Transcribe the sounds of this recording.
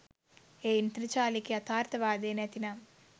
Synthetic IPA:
eːint̪ɾit͡ʃaːlikiɐt̪ʰaːɾt̪ʰɐʋaːd̪eːnɐt̪ina

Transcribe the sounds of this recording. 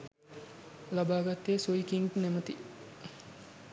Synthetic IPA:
labaːɡat̪ːesoikiŋɡnemət̪i

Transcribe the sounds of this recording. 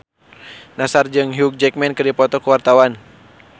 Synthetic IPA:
nasard͡ʒɨŋɦiuk̚d͡ʒɛk̚mɛnkɨrdipɔt̪ɔkəwart̪awan

